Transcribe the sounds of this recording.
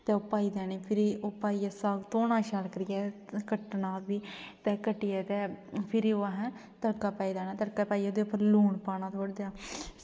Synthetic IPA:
t̪ɛːoːpaːiːd̪ɛːniːpʰɪɾiːoːpaːiːɛːsaːɡt̪oːnãːʃalkəɾɪjɛːkəʈnaːbiːt̪ɛːkəʈːiːɛːt̪ɛːpʰɪɾioːaɦɛ̃ | t̪əɽkaːpaːiːd̪ɛːnaːt̪əɽkaːpaːiːoːd̪eːʊpːəɾluːɳpaːnaːt̪ʰoːɽd̪ejaː

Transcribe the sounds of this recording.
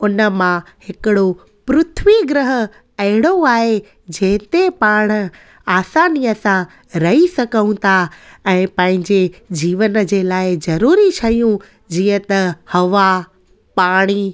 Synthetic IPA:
ʊnə̆mãhɪkɪɽo | pɾʊt̪ʰʋiɡɾɪɦə̆ | ɐɦɪɽ̃oaːɦe | d͡ʑɛ̃ɦɪ̃t̪epaːɽ̃ə̆ | aːsaːniəsã | ɾɐɦisɐɡʱəũt̪aɛ̃ːpɐ̃ɦɪ̃ɲd͡ʑed͡ʑiːʋənd͡ʑeːlaːɪzɐɾuːɾit͡ɕʰɐijũ | d͡ʑiːə̃t̪ɐhɐʋa | paːɽ̃iː

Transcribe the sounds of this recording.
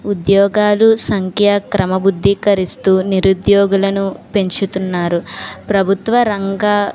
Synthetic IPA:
ud̪jɔːɡaːlusɐŋkʰjɐkɾɐmɐbud̪ʱːikɐɾist̪uːniɾud̪jɔːɡulɐnupe̞ɲt͡ʃut̪unːaːɾupɾɐbʱut̪ʋɐɾɐŋɡa

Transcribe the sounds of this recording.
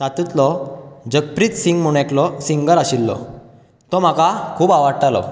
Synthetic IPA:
sat̪ut̪lɔd͡ʑək̚pɾit̪siŋɡmuɽ̃ẽklɔsiŋɡəɾaɕilːɔ̰ | t̪ɔm̤akakʰuːbaʋaɽʈalɔ̰

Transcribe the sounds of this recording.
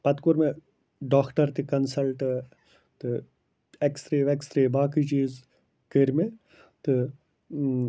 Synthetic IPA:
pɐt̪kuɾme | ɖaːkʰʈɐɾt̪ikɐnsɐlʈ | t̪ɨ | ekst̪ɾeːʋekst̪ɾeːbaːkid͡ʒiːz | keɾme | t̪ɨ

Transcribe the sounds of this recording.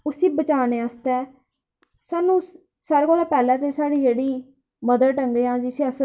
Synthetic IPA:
ʊsiːbət͡ʃaːneːast̪ɛː | saːnũː | saːɾekoːlaːpɛːlɛ̃ːt̪eːsaːɽiːd͡ʒeːɽiː | məd̪əɾʈəŋɡeːãːd͡ʒɪsiːəs

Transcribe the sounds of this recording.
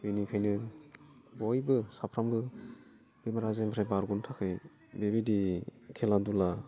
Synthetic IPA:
binikʰajnɯ | bɔjbɯsapʰɾambɯ | b̥emaɾazempʰɾajbaɾɡuntʰakʰɯj | bebidikʰeladula

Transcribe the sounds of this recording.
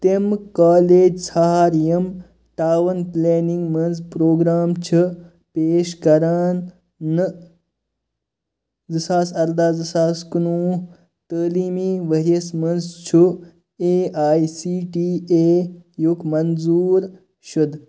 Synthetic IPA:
t̪emkaːleːd͡ʒsɐɦaːɾjɐm | ʈaːʋɐnpleːniŋɡmɐnzpɾoːɡɾaːmt͡ʃʰɨ | peːʃkɐɾaːnː | ɨ | zisaːsɐɾd̪aːzisaːskunuː | t̪əːliːmiːʋɐɦijɐsmɐnzt͡ʃʰu | eːaːjisiːʈiːeːjukmɐnzuːɾ | ʃud̪

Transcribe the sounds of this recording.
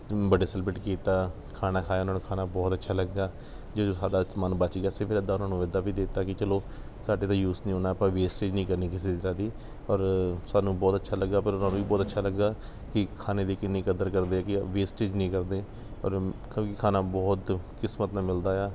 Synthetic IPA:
bəɖeːsɛlbɪʈkiːt̪aː | kʰaːnaːkʰaːjaːʊnãːnũːkʰaːnaːbɔːt̪ətːʃʰaːləɡːaː | d͡ʒoːd͡ʒoːsaːɖaːsmənbat͡ʃiːɡaːsepʰɪɾəd̪aːʊnaːnũːʋɪd̪aːʋiːd̪eːt̪aːkɪt͡ʃəloː | saːɖeːt̪ãːjuːsnĩːɦoːnaːpãːʋeːsʈeːd͡ʒnĩːkəɾniːkɪseːɪɾaːd̪iː | ɔːɾsaːnũːbɔːt̪ətːʃʰaːləɡːaːpəɾʊnãːnũːiːbɔːt̪ətːʃʰaːləɡːaː | kɪkʰaːneːd̪eːkɪnĩːkəd̪əɾkəɾd̪eːaːkɪʋeːsʈeːd͡ʒnĩːkəɾd̪eː | ɔ̰ːɾkõːkɪkʰaːnaːbɔːt̪kɪsmət̪nãːmɪld̪aːɛː

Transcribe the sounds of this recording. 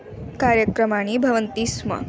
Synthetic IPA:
kaɾjəkɾəmaɽ̃iːbʱɐʋənt̪iːsmɐ̰

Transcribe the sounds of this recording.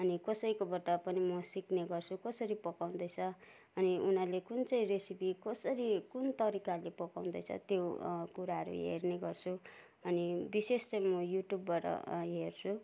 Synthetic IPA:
ʌnikʌsʌjkobʌʈapʌnimʌsikneɡʌrt͡sʰukʌsʌɾipʌkaw̃nd̪ʌjt͡sʰʌ | ʌniunʌlekunt͡sʌĩresipikʌsʌɾikunt̪ʌɾikalepʌkaw̃nd̪ʌjt͡sʰʌ̰t̪jokuɾaɦʌɾṵɦḛrneɡʌrt͡sʰu | ʌnibisest͡sʌjmʌjuʈjubːaʈʌ̰ɦert͡sʰu

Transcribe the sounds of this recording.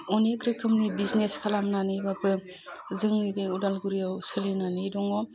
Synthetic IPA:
oneɡɾɯkʰɯmnibizneskʰalamnanɯjbapɯ | zɯŋnibeudalɡuɾijawsɯlinanɯdɔŋɔ

